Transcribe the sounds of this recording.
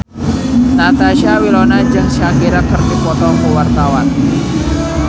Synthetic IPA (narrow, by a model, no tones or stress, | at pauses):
nat̪aʃawilɔnad͡ʒaʔsaɡiɾakːərt̪ipɔt̪ɔkuwart̪awan